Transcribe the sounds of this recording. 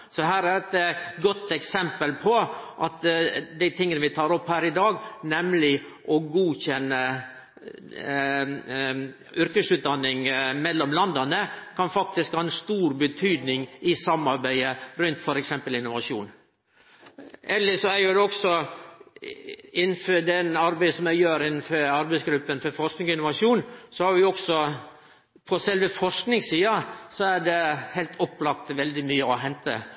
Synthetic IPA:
sɔɦæːɾæɾɛt̪ɡɔt̪ːɛksɛmpəlpʰɔʔɑt̪d̪æɪt̪ʰɪŋːənəʋɪt̪ʰɑːɾɔphæːɾɪd̪ɑːɡnɛmlɪ | ʔɔɡuːçɛnːə | ʏɾkəsʉːt̪d̪ɑnːɪŋmɛlːɔmlɑnd̪ɑnəkʰɑnfɑk̚t̪ɪskhɑːɛnst̪uːɾbət̪ʰyːd̪nɪŋɪsɑmːɑɾbæɪəɾʉnt̪fɔɾɛksɛmpəlɪnːʊʋɑʂṵːn | ʔɛlːəʂɔæɾjʊd̪ɛɔksɔ | ɪnːnføɖɛnɑɾbæɪsɔmæɪjøːɾɪnːnfɔɾɑɾbæɪsɡɾʉpːənfɔɾfɔʂknɪŋɔɪnːʊʋɑʂuːnsɔhɑɾʋɪɔksɔ | pʰɔsɛlʋəfɔʂknɪŋsiːɑsɔæɖɛhæɪlt̪ʰɔpːlɑkt̪ʋɛld̪ɪmyːəɔɦɛnt̪ə̰

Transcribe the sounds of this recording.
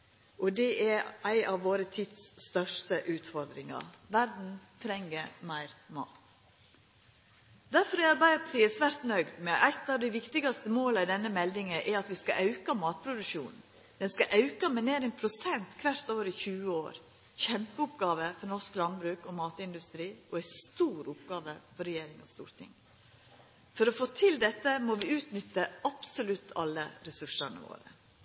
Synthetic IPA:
ʔɔd̪ɛʔɛʔæɪʔɑʋːoːɾət̪ʰɪd̪sːt̪œʂtəʔʉːt̪fɔɾd̪ɾɪŋɑ̰ʋæɾd̪n̩t̪ʰɾɛŋːəmæɪɾmɑ̰ːt̪ | d̪æɾfɔɾɔæɾbæɪəpʰɑ̥t̪ʰiːɛsʋæːɾt̪nœʏɡd̪mɛʔæɪt̪ɑʋd̪æɪʋɪkt̪ɪɡɑst̪əmoːləɪd̪ɛnːəmɛld̪ɪŋəʔɛɾɑt̪ʋɪskɑʔɑʉkɑmɑːt̪̚pʰɾʊd̪ʉʃuːn | d̪̥ɛnskɑʔɑʉkɑmɛneːɾɛnpʰɾʊsɛnt̪kʰʋæɾt̪oːʋəɾɪçʉːəo̰ːɾ | çɛmpəʊpɡɑːʋəfɔɾnɔsklɑnbɾʉːkɔmɑːt̪ɪnd̪ʉst̪ɾiːʔɔæɪst̪uːɾʊpɡɑːʋəfɔɾɛjeːɾɪŋɔst̪ṵːɾt̪ʰɪ̰ŋ | fɔɾɔfoːt̪ʰɪld̪ɛt̪ːəmɔʋɪʉːt̪nʏt̪ːəɑpsʊlʉt̪ʰːɑlːə̰ɾɛsʉʂɑnə̰ʋo̰ːɾə̰

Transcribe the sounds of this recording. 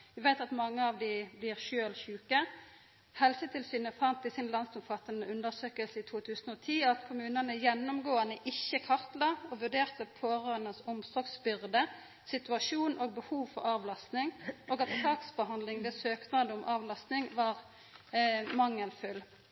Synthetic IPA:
ʋɪʋæɪt̪ɑt̪mɑŋːəɑʋd̪ɪblɪːʁʃøːlçʉːkə | hɛlsət̪ʰɪlsyːnəfɑnt̪ɪsɪnlɑnsʊmfɑt̪ːənəʉnd̪əʁsøːkəlsəɪt̪ʰuːt̪ʰʉːsənoːt̪ʰiːɑt̪kʰʊmʉːnənəjɛnːʊmɡoːənəʔɪçːəkʰɑʁt̪lɑɔʋʉʁd̪eːʁt̪əpʰoːʁøːənəsʊmsɔːɡsbʏʁd̪ə | sɪt̪ʉɑʂuːnʔoːɡ̚bəhuːʋfɔʁɑːʋlɑst̪nɪŋoːɡɑt̪sɑːksbəhɑnd̪lɪŋd̪ɛsøːknɑd̪əʊmʔɑːʋlɑst̪nɪŋʋɑːʁ | mɑŋːəlfʉl

